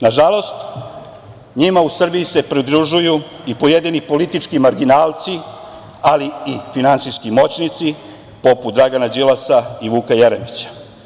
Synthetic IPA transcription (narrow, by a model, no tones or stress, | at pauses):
naʒalˠo̞st̪ | ɲimausr̩bijise̞pɾid̪ɾuʒuju | ipo̞jed̪inipo̞lit̪it͡ʃkimaɾɡinaːlˠt̪si | aliːfinansiskimo̞t͡ɕnit̪si | po̞put̪d̪ɾaɡanad͡ʑilasaiʋuːkajeɾemit͡ɕḁ